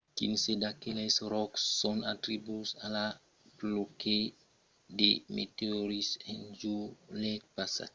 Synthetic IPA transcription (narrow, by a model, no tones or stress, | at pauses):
kḭnsedakelesɾɔksːɔnatɾibusala | ploke | demḛteoɾisend͡ʒulɛt̚pasa̰